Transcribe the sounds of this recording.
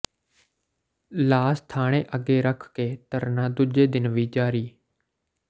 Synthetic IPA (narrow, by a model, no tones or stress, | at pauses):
laːst̪ʰaːɽ̃ẽːʔəɡeːɾəkʰkeːt̪əɾnaːd̪ʊd͡ʒeːd̪ɪnʋiːd͡ʒaːɾiː